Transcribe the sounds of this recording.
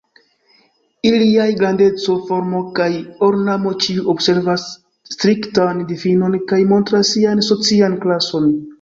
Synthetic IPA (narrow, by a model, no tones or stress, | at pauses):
iliajɡɾande̞t͡so̞fo̞ɾmo̞kajo̞ɾnamo̞t͡ʃiuo̞bse̞ɾvasː | tɾiktandifino̞nkajmo̞ntɾasːianso̞t͡sianklaso̞n